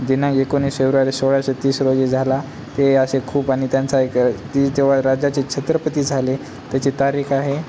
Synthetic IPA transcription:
d̪inaekoniːsfewɾaɾisoɭjaɕet̪iːsɾod͡zed͡zʱala | t̪eəɕekʰuːpaɽ̃it̪jant͡saekt̪it̪eʋ̤aɾad͡ʑat͡ɕekɕʰet̪ɾəpət̪iːd͡zʱale | t̪jat͡ɕet̪aɾiːxaɦe

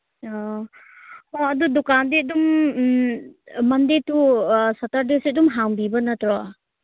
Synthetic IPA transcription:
ɔ | hɔɐdudukandedum | mɐndetusataɾdesdumɦaŋbibɐnatɾɔ

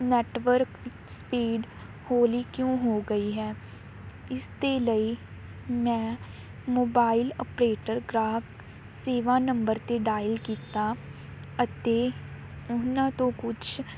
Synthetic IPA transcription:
nɛːʈʋəɾk | spiːɖ | hoːliːkjõːɦoːɡəiːɦɛː | ɪst̪eːləiː | mɛ̃ː | moːbaːɪlɔpɾeːʈəɾɡɾaːf | seːʋaːnəmbəɾt̪eːɖaːɪəlkiːt̪aː | ət̪eː | ʊnãːt̪õːkʊt͡ʃʰ

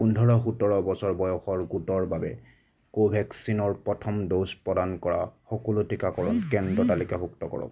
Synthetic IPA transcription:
pundʱɔɹɔxutɔɹɔbɔsɔɹbɔjɔxɔɹɡutɔɹbabɛ̰ | kobʱɛksinɔɹpɹɔtʰɔmdospɹɔdankɔɹaxɔkɔlutʰikakɔɹɔnkɛndɹɔtalikabuk̚tɔkɔ̰ɹɔ̰k

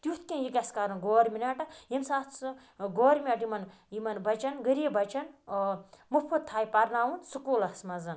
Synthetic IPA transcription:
t̪ʲjut̪̚ʰkʲẽjikʲɐskaɾɐnɡoːɾʲminaʈɐjemsat͡sɨ | ɡoːɾʲmʲaʈjimɐn | jimɐnbɐt͡ʃɐnɡəɾiebɐt͡ʃɐn | mupʰɐt̪ʰːaːjpɐɾnaːwunsukuːlɐsmɐzɐn

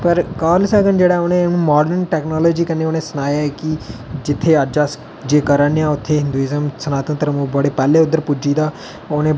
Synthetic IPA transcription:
pəɾkaːlsəɡənd͡ʒeːɽaːoːnẽːnũːmaːɖəɾnʈɛːknɔːloːd͡ʒiːkəneːoːnẽːsənaːjaːɛːkɪd͡ʒɪt̪ʰːeːəd͡ʒaːs | d͡ʒeːkəɾənjãːʊt̪ʰːeːɦɪ̃nd̪uːiːzəmsənaːt̪ənt̪əɾəmũːbəɽeːpɛːleːʊd̪ːəɾpʊd͡ʒiːd̪aː | oːnẽː

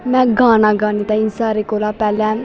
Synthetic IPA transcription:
mɛ̃ːɡaːnaːɡaːniːt̪ãinsaːɾeːkoːlaːpɛːlɛ̃ː

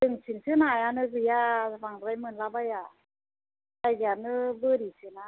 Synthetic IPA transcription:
dɯŋsʰinsɯnajanɯɡɯjabaŋɾajmɯnlabaja | ajɡianɯbɯɾisɯna

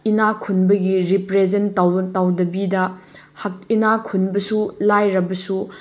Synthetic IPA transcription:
inakʰunbɐɡiɾipɾezentawtawdɐbidɐ | hɐk̚inakʰunbɐsulajɾɐbɐsu

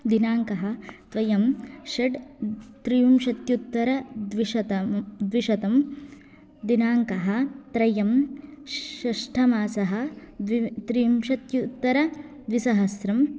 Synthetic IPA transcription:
d̪inaːŋkɐɦɐt̪ʋɐjɐmʃɐɖt̪ɾijumʃɐt̪jut̪ːɐɾɐd̪ʋiʃɐt̪ɐd̪ʋiʃɐt̪ɐm | d̪inaːŋkɐɦɐ̆t̪ɾɐjɐm | ɐʂʈʰɐmaːsɐɦɐ̆ | t̪ɾijumʃɐt̪jut̪ːɐɾɐ | d̪ʋisɐɦɐsɾɐm

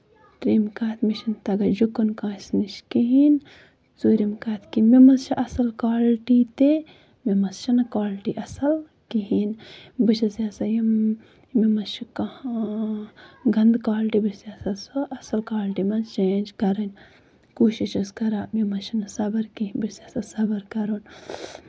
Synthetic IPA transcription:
t̪ɾimkaːt̪ʰmiʃɐnt̪ɐɡɐd͡ʒukːunkãːsniʃkiɦin | t͡suːɾimkaːt̪ʰkimimɐst͡ʃiʔɐsɐlkaːlʈit̪e | mimɐsʃɐnɐkaːlʈiʔɐsɐl | kiɦinbɨʃɐsjaːsɐjim | mimɐst͡ʃika | ɡɐnd̪kaːlʈibisjaːsɐsoɐsɐlkaːlʈimɐnzt͡ʃeːnʲd͡ʒkɐɾɐnʲ | kuːʃiʃɐskɐɾaːmimɐsʃɐnɐsɐbɐɾkiɦinbiɾsasɐsɐbɐɾkɐɾon

